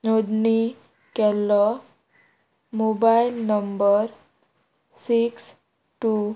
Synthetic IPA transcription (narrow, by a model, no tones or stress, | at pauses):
nod̪ni | kɛlːɔ | mobailnəmbəɾ | siks | ʈu